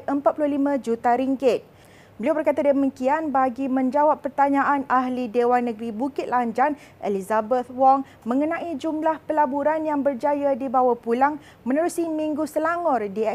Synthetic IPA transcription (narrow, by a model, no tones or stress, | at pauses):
ʔəmpat̪̚pulʊhlimãd͡ʒut̪aɾiŋɡɪt̪̚ | bəliawbərkat̪adəmikianbaɡimə̃ɲd͡ʒawapːərt̪aɲãʔanaɦlidewanːə̃ɡɾibukɪt̪̚laɲd͡ʒan | ʔelizabət̪̚wɔŋ | mə̃ŋənãʔid͡ʒumlahpəlabuɾanjaŋbərd͡ʒajadibawapulaŋ | mə̃nəɾusimĩŋɡusəlaŋɔrdiɛ